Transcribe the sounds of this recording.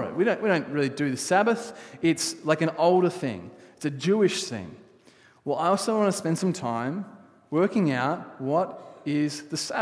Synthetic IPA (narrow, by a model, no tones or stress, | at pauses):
ɪt̚wiɾõʊ̃nʔwiɾõʊ̃nʔ̚ɹɪlˠidɨðɨsæbɨθɪtslaɪkɨ̃ñoʊlˠɾə˞θɪ̰̃ŋɨtsɨd͡ʒʉɨʃθɪ̰̃ŋ | wɛlˠaɪɔlˠsoʊwɑ̃nəspɛ̃nd̥sʌ̃mtʰãɪ̃m | wɜ˞kɪ̃ŋaʊt̚wʌɾɪzðɨsæ